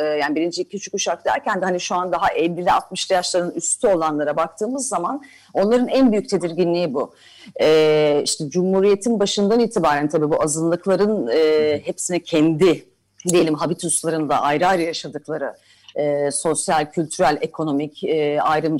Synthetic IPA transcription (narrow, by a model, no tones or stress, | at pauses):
jaːnibiɾind͡ʒiicʲʰyt͡ʃʰykuʃak̚d̪æ̰ɾcænd̪ɛhaniʃuand̪aɦaʔɛlʲːilʲɛat̪mɯʃt̪ʰajaʃlˠaɾɯnyst̪ʰyo̞lˠanlˠaɾabak̚t̪ʰɯːmɯzːaman | o̞nlˠaɾɯnænbyjyc̚t̪ʰe̞d̪iɾɟinlʲijibu | ɛːiʃt̪ʰɛd͡ʒumhuːɾije̞t̪ʰinbaʃɯnd̪aniːt̪ʰibaːɾænt̪ʰabiːbuazɯnlˠɯklˠaɾɯnɯhepsinɛcʰɛnd̪i | d̪ije̞lʲimɦabit̪ʰuslˠaɾɯnd̪a̰ʔajɾɯajɾɯjaʃad̪ɯklˠaɾɯ | ɯːso̞sjalʲcʰylʲt̪ʰyɾælʲe̞kʰo̞no̞micːajɾɯm